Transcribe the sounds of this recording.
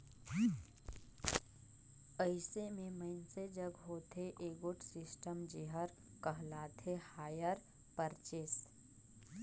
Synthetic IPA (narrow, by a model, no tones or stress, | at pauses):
əɪsemẽməɪnsed͡ʒəɡɦoːt̪eʔeɡʊʈsɪsʈəmd͡ʒɪɦəɾ | kəɦlaːt̪ʰehaːjəɾ | pəɾt͡ʃeːs